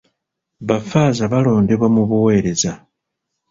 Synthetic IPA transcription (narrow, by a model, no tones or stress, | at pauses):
βafaːzaβalo̞ːnde̞βwamuβuwe̞ːɾe̞za